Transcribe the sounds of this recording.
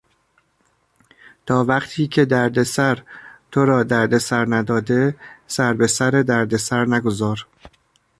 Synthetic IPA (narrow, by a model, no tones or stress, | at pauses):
t̪ʰɒːvæqt̪ʰiːcʰe̞d̪æɾd̪e̞sæɾt̪ʰo̞ɾɒːd̪æɾd̪e̞sæɾnæd̪ɒːd̪e̞sæɾbe̞sæɾed̪æɾd̪e̞sæɾnæɡo̞zɒːɾ